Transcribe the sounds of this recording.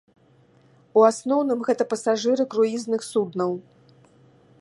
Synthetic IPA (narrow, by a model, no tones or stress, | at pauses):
uasnɔwnɨmɣɛt̪ɐpɐsaʐɨɾɨkɾuiznɨxsud̪nɐw